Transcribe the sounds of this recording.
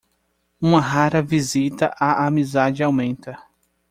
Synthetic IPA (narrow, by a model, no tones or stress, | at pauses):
ũmɐɦaɾɐvizit̪ɐʔaʔamizad͡ʒɪawmẽnt̪ɐ